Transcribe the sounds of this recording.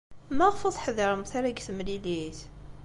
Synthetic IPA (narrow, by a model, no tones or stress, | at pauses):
mæʁfoðˤħðˤəɾˤəmθaɾæɡθəmliliθ